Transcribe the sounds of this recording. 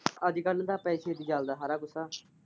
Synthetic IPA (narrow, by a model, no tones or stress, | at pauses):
əd̪ikəld̪aːpɛːseːd̪iːd͡ʒald̪aːɦaːɾaːkʊsaː